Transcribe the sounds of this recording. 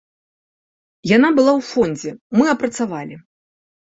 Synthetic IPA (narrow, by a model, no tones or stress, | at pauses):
janabɨlˠawfɔnʲd͡zʲɛmɨɐpɾɐt̪savalʲi